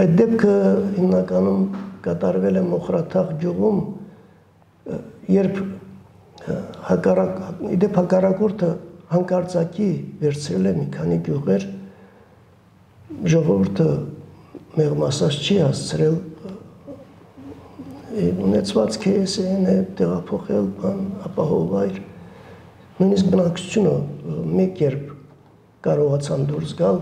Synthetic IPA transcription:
ɑjt̪̚d̪ɛp̚kʰəhimnɑkɑnumkɑt̪ɑɾvɛlɛmɔχɾɑt̪ʰɑʁɡjuʁum | jɛɾpʰ | hɑkɑrɑḭd̪ɛpʰhɑkɑrɑkɔɾt̪ʰəhɑŋkɑɾt͡sɑkʰivɛɾt͡sʰɾɛlɛmikʰɑniɡjuʁɛɾ | ʒɔʁɔvuɾt̪ʰə | mɛʁmɑsɑt͡st͡ʃʰihɑst͡sʰəɾɛl | unɛt͡sʰvɑt͡skʰɛɛsɛnɛt̪ɛʁɑpʰɔχɛlbɑnɑpɑɦɔvɑjɾ | nujnis̬k̚bənɑkt͡sʰu̥t͡sʰjunəmɛkjɛɾpʰ | kɑɾɔʁɑt͡sʰɑnd̪uɾsɡɑl

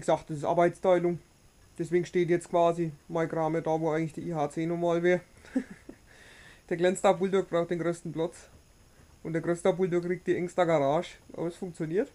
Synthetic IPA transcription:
iɡəz̥aχt̚d̥ɐsɪsʔa̰ɐbaɪt͡stʰaɪlʊŋ | d̥ɛsv̥eːɡŋ̩ʃteːtjɛt͡stkv̥aːzimaɪɡʁaːmədaːvoːʔaɪɡŋ̩tlɪçd̥iːiːɦaːt͡seːnɔmaːlveːɐ | d̥eːɐɡlɛnt͡stapbuldʊkb̥ʁaʊxtd̥eːnɡʁøːstn̩plat͡s | ʔʊntd̥eɐɡʁøːstapuldʊkʁ̥iːk̚td̥iːʔɛŋstɐɡaʁaːʃʔa̰ːbɐsfʊŋkt͡sjoniːɐt

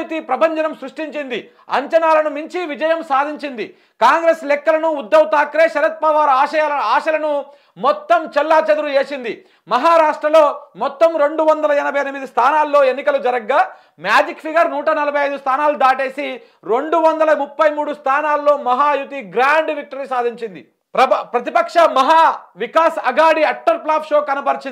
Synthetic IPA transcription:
ut̪ipɾɐbʱɐɲd͡ʒɐnɐmsɾuʂʈiɲt͡ʃind̪i | ɐ̰ɲt͡ʃɐnaːlɐnumiɲt͡ʃiʋid͡ʒɐjɐmsaːd̪ʱiɲt͡ʃind̪i | kaːŋɡɾeːslɛkːɐlɐnuːd̪ːɐwt̪aːkɾeːʃɐɾɐt̪̚pɐʋaːɾaːʃɐalɐaːʃɐlɐnu | mɔt̪ːɐmt͡ʃɛlːaːt͡ʃɐd̪uɾueːsind̪i | mɐɦaːɾaːʂʈɾɐlo̞ːmɔt̪ːɐmɾe̞ɳɖuʋɐnd̪ɐlɐɛnɐbʱɐjɐnimid̪ist̪ʰaːnaːlːo̞ːe̞nːikɐlud͡ʒɐɾɐɡːaː | mjaːd͡ʒikpʰiɡɐɾnuːʈɐnɐlɐbʱɐjɐjd̪ust̪ʰaːnaːlud̪aːʈe̞ːsi | ɾeɳɖuʋɐnd̪ɐlɐmupːɐjmuːɽust̪ʰaːnaːlːo̞ːmɐɦaːjut̪iɡɾaːɳɖʋik̚ʈɐɾisaːd̪ʱiɲt͡ʃind̪ḭ | pɾɐpɾɐt̪ipɐkʂɐmɐɦaːʋikaːsɐɡaːɽiɐʈːɐɾplaːpʂo̞ːkɐnɐpɐɾt͡ʃin

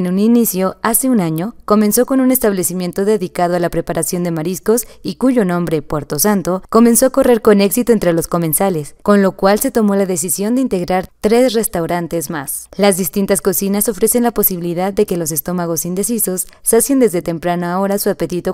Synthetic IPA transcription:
nũninisjo̞ase̞unaɲo̞ko̞mẽ̞nso̞ko̞nũne̞st̪aβle̞simje̞nt̪o̞ðe̞ðikað̞oalapɾe̞paɾʔasjo̞nd̪e̞maɾisko̞sikuʝo̞nõ̞mbɾe̞pweɾt̪o̞sant̪o̞ko̞menso̞ako̞re̞ɾko̞ne̞ksit̪oent̪ɾe̞lo̞sko̞me̞nsale̞sko̞nlo̞kwalse̞t̪o̞mo̞laðe̞s̬isjo̞nd̪e̞int̪e̞ɣɾaɾt̪ɾe̞sre̞st̪awɾant̪e̞zma̰slazðist̪int̪asko̞sinaso̞fɾe̞se̞nlapo̞siβiliðaðːe̞ke̞lo̞s̬e̞st̪o̞maɣ̞o̞sind̪e̞siso̞sːasjend̪e̞zðe̞t̪e̞mpɾanoao̞ɾasuape̞t̪it̪o

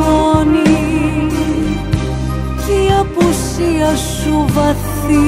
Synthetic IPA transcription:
oni | siɐpus | iɐsuvɐθ | i

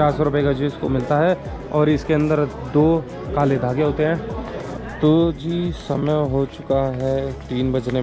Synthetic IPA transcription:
aːɾsɔɾʊpekad͡ʒeːsko̰mɪlt̪aɦɛ | ɔːɾɪskeɐ̃nd̪əɾ | d̪oː | kaːled̪ʱaːɡeɦoːt̪eɦɛ̃ː | t̪oːd͡ʒiːsɐməjɦot͡ʃʊkaɦɛʈiːnbɐd͡ʒne

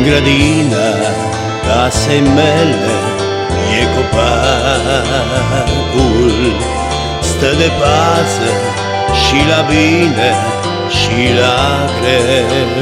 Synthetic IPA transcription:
ɡɾəd̪inə | kasemele | jekopa | ɡul | st̪əd̪epasə | ʃilabine | ʃila | ɡɾe

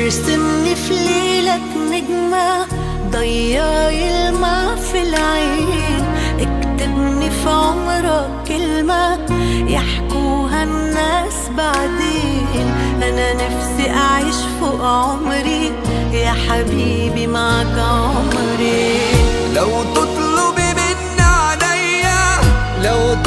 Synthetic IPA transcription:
ɾsɪmnifleːlakmɪɡma | d̪ˤɑjːɑjɪlmafilʕaːnʔakt̪ɪbnifiʕʊmɾˤɑ | kɪlmajaħkuːɦanːaːsbaʕd̪eːnʔananafsiʔaʕɪʃfoʔʕʊmɾi | jaːħabiːbimaʕkaʕʊm | ɾi | lawt̪ɨt̪ˤlʊbmɪnːaʕalajːalaw

